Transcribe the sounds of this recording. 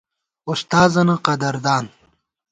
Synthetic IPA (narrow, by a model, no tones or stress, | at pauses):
ust̪aːzɐnɐqɐd̪ɐɾd̪aːn